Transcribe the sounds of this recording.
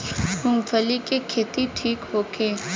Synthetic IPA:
hʊŋfʰəlikekʰeːt̪iʈʰiːkhoːkʰeː

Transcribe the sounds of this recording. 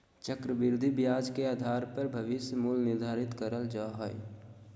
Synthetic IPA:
t͡ʃəkɾəbɪɾd̪ʱibjaːd͡ʒkeaːd̪ʱaːɾpəɾbʱəʋɪsjəmulnɪɾd̪ʱaːɾɪt̪kəɾəld͡ʒaːɦoj

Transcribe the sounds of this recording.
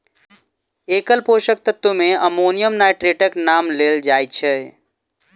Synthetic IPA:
ekəlpoʃək̚t̪ət̪ːumẽəmonijəmnaɪʈɾeʈəknamleld͡ʒaːjt͡ʃʰɛ

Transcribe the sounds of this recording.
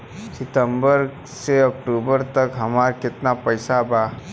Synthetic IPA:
sɪt̪ə̃mbəɾ | seɐk̚ʈuːbəɾt̪ɐkɦɐmaːɾkɪt̪napɐjsabaː

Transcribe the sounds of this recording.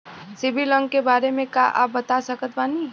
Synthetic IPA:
sibʱilə̃ŋɡkebaːɾemẽkaʔa̰ːp̚bət̪asəkət̪ʋani

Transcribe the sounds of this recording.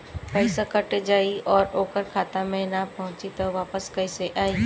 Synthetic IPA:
pəɪsakɐʈed͡ʒaːiɔːɾoːkəɾkʰaːt̪amẽnapɐɦʊ̃t͡ʃit̪ɐʋaːpəskɐiseʔaːi

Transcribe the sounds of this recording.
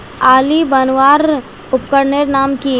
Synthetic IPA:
aːlibɐnʋaːɾ | ʊp̚kəɾneːɾnaːmki

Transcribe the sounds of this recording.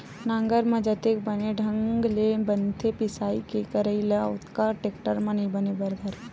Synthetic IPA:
nãːŋɡəɾmɐ̃d͡ʒɐt̪ekbɐneɖʱɐ̃ŋɡlebɐnt̪ʰepɪsaːikekəɾəileʊt̪kaʈeːkʈəɾmãnɐĩbɐnebɐɾd̪ʱɐɾ

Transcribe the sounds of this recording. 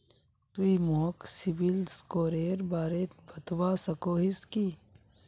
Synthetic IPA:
t̪uimoːksibilskoːɾeːɾbaːɾeːt̪bɐt̪waːsɐkoːɦiski

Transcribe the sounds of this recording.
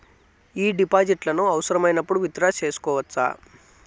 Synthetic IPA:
iːɖipaːd͡ʒiʈlɐnuɐʋɐsɐɾɐmɐjnɐpːuɽuʋit̪ɾaːt͡ʃe̞ːsu̥kɔːʋɐtːsa̰ː

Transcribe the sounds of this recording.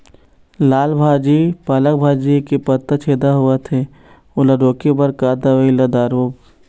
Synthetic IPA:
laːlbʱaːd͡ʒipalək̚bʱaːd͡ʒikepɐt̪ːət͡ʃʰeːd̪aɦʊet̪ʰe | ʊlaɖoːkebɐɾkaːd̪aʋəilɐd̪aːɾoːp

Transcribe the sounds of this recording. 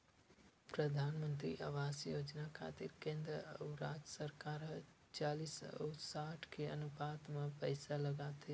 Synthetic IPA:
pɾəd̪ʱaːnmə̃nt̪ɾḭʔa̰ʋaːsjoːd͡ʒnakʰa̰ːt̪ɪɾkẽːnd̪ɾəɾaːd͡ʒəsəɾkaːɾɦ | t͡ʃaːlisə̰saːʈʰkʰeɐ̰nʊpaːt̪mãpəjsalɐɡaːt̪e

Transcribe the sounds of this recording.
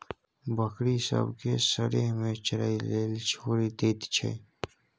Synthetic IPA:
bəkɾisə̰bkesəɾemẽt͡ʃɾa̰ileːlt͡ʃʰoːɾid̪eːt̪t͡ʃʰḛ

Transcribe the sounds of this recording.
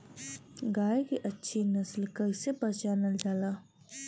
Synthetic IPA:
ɡaːekiʔɐtːʃʰinəslkəisepət͡ʃaɾnɐld͡ʒaːlaː

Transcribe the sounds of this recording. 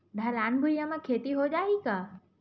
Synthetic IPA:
ɖʱalaːnbʱujamãkʰeːt̪iɦod͡ʒaːikaː

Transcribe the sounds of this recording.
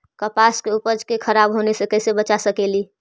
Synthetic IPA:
kəpaskeupəd͡ʒkekʰəɾabɦonesekəsebət͡ʃasəkeli

